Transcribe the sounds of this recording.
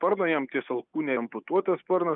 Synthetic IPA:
pɐɾnɐjɛmt̪ʲiɛsɐlˠkuːnʲɛmpʊt̪uɔt̪ʲɛspɐɾnɐ

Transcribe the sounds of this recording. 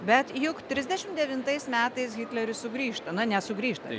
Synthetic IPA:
bʲɛt̪jʊkt̪ʲɾʲɪzʲd̪ʲɛʃʲɪmd̪ʲɛʋʲɪnt̪ɐɪsmʲæːt̪ɐɪsɣʲɪt̪ʲlʲɛɾʲʊssʊɡɾʲiːʃt̪ɐnʊnʲɛsʊɡɾʲiːʃt̪ɐ

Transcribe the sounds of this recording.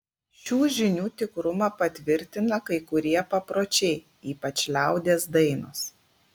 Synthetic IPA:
ʃʲuːʒʲɪnʲuːt̪ʲɪkɾʊmɐpɐt̪ʲʋʲɪɾʲt̪ʲɪnɐkɐɪkʊɾʲiɛpɐpɾoːt͡ʃʲɛɪ | iːpɐt͡ʃʲlʲæˑʊd̪ʲeːsd̪ɐɪnʊs

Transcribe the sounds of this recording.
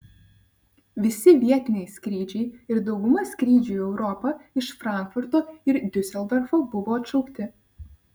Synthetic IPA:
ʋʲɪsʲɪʋʲiɛt̪ʲɪnʲɛɪsʲkɾʲiːd͡ʒʲɛɪɪɾd̪ɒʊɡʊmɐsʲkɾʲiːd͡ʒʲuːɛʊɾɔpɐɪʃfɾɑˑŋkfʊɾt̪oːɪɾd̪ʲʊsʲɛlˠd̪ɐɾfobʊʋoːɐt̪ʃɐʊkt̪ʲɪ

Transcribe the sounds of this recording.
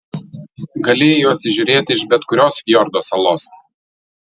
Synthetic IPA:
ɡɐlʲeːjoɐsʲɪʒʲʊːɾʲeːt̪ʲɪɪʒbʲɛt̪kʊɾʲoːsʋʲjɔɾd̪oːsɐlˠoːs

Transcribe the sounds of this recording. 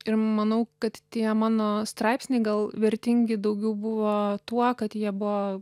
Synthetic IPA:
ɪɾmɐnɐʊkɐt̪t̪ʲiɛmɑːnoːst̪ɾɑɪpsʲnʲeɪɡɐlˠʋʲɛɾʲt̪ʲɪŋʲɡʲɪd̪ɐʊɡʲɛʊbʊʋoːt̪uɔkɐt̪jiɛbʊʋoː

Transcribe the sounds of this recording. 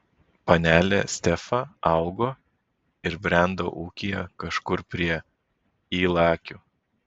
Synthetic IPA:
pɐnʲæːlʲḛsʲt̪ʲɛfɑɑˑʊɡoː | ɪɾbʲɾʲæˑnd̪o̰ːʔuːkʲijɛ̰kɐʃkʊɾpʲɾʲiɛ | iːlˠɑːkʲuː

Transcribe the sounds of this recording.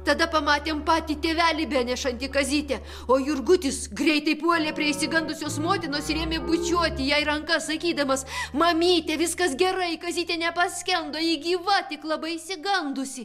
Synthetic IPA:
t̪ɐd̪ɐpɐmɑːt̪ʲeːmpɑːt̪ʲiːt̪ʲeːʋʲæːlʲɪbʲæːnʲɛʃɐnʲt̪ʲɪkɐzʲiːt̪ʲɛ | oːjʊrɡʊt̪ʲɪsɡɾʲɛɪt̪ɐɪpuɔlʲeːpʲɾʲiɛɪʃʲsʲɪɡɐnd̪ʊsʲoːsmoːt̪ʲɪnoːsɾʲeːmʲeːbʊt͡ʃʲuɔt̪ʲɪjɛɪɾɐŋkɐssɐkʲiːd̪ɐmɐsmɐmʲiːt̪ʲɛʋʲɪskɐsɡʲɛɾɐɪkɐzʲiːt̪ʲeːnʲɛpɐsʲkʲɛnd̪oːjɪɡʲiːʋɐt̪ʲɪklˠɐbɐɪisʲɪɡɐnd̪ʊsʲɪ

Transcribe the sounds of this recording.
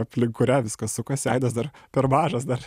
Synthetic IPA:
ɐpʲlʲɪŋkʊɾʲɛʋʲɪskɐssʊkɐsɛɪd̪ɐsd̪ɐrpʲɛɾmɑːʒɐsd̪ɐr

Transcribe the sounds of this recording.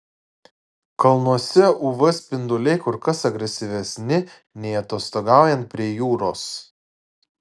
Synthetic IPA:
kɐlˠnuɔsʲɛʔuʋɐspʲɪnd̪ʊlʲɛɪkʊɾkɐsɐɡɾʲɛsʲɪʋʲɛsʲnʲɪ | nʲɛɪɐt̪oːst̪oɡɑˑʊjɛnt̪̚pʲɾʲiɛjuːɾoːs

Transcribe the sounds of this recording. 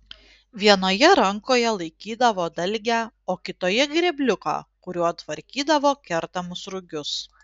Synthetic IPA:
ʋʲiɛnoːjɛɾɐŋkoːjɛlˠɐɪkʲiːd̪ɐʋoːd̪ɐlʲɡʲæːoːkʲɪt̪oːjɛɡɾʲɛbʲlʲʊkɑ̰ːkʊɾʲuːɐt̪ʋɐɾʲkʲiːd̪ɐʋoːkʲɛɾt̪ɐmʊsɾʊɡʲʊs

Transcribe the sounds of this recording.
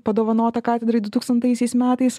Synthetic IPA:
pɐd̪oːʋɐnoːt̪ɐkɑːt̪ʲɛd̪ɾɐɪd̪ʊt̪uːkst̪ɐnt̪ɐɪsʲɛɪsmʲæːt̪ɐɪs

